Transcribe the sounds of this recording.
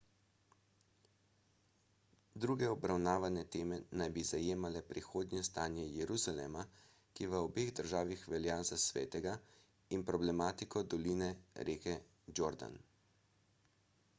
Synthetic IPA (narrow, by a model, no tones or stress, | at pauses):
d̪ɾuːɡɛɔbɾawnaːʋanɛt̪eːmɛnajbizajeːmalɛpɾixoːd̪nʲjɛst̪aːnjɛjɛɾuzalɛ̰ːma | kiʋəɔbeːɣd̪əɾʒaːʋixʋɛljaːzasʋḛːt̪ɛɡa | inpɾɔblɛmaːt̪ikɔd̪ɔlinɛɾʔeːkɛ | d͡ʒoɾd̪a̰n